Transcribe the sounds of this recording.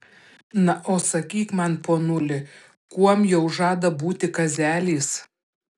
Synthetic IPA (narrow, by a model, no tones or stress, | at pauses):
nɐʔoːsɐkʲiːkmɐnpoːnʊlʲɪ | kuɔmjɛʊʒɑːd̪ɐbuːt̪ʲɪkɐzʲæːlʲiːs